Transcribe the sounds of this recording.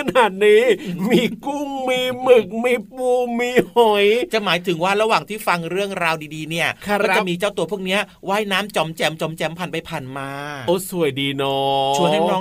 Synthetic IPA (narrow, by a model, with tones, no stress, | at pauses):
a˧naː˨˩t̪̚niː˦˥miː˧ku˥˩ŋmiː˧mɯ˨˩k̚miː˧puː˧miː˧hɔ˨˩˦jt͡ɕa˨˩maː˩˦jt̪ʰɯ˩˦ŋwaː˥˩ɾa˧waː˨˩ŋt̪ʰiː˥˩fa˧ŋɾɯ˥˩əŋɾaː˧wdiː˧diː˧ni˥˩ɐkːt͡ɕa˨˩ʔmiː˧t͡ɕaː˥˩wt̪u˧ɐpʰu˥˩ək̚ni˦˥ɐwaː˥˩jnaː˦˥mt͡ɕɔ˧mt͡ɕɛ˧mt͡ɕo˧mt͡ɕɛ˧mpʰaː˨˩npa˧jpʰaː˨˩nmaː˧ʔoː˧˩su˨˩əjdiː˧nɔ˦t͡ɕʰu˧˥əhaː˥˩nɔː˦˥